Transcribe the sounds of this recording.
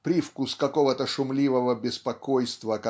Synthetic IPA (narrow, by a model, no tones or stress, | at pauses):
pɾʲifkuskɐkovət̪əʂʊmlʲivəvəbʲɪspɐkojst̪vəkɐ